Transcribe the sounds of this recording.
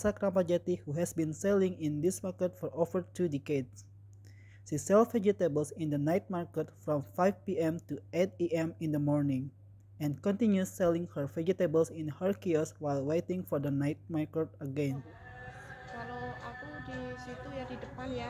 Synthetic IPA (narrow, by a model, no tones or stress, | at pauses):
sakɾãmpad͡ʒat̪ihuɦɛsbĩnsɛlɪ̃ŋĩnd̪ismaɹkət̪fɔɹovəɹtʰudɛkeds | ʃisɛlfɛd͡ʒit̪ebəlsĩnd̪ənajt̪̚maɹkət̪fɹɔ̃mfajfpiɛ̃mt̪uet̪̚iʔɛ̃mĩnd̪əmɔɹnĩŋ | ɛ̃nkɔ̃nt̪ĩnjusːɛlɪ̃ŋhəɹvɛd͡ʒit̪ebəlsĩnhəɹkiɔswajlwejt̪ɪ̃ŋfɔɹdənajt̪̚maɹkət̪̚əɡɛ̃n | kalowakudisit̪ujadidəpanja